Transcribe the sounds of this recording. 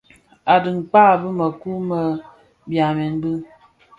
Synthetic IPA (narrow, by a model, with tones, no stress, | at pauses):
a˨dɨ˨ŋ˨k͡pa˦˨bɨ˦mə˨ku˦mə˨ | bja˨mɛ˨n˦bɨ˦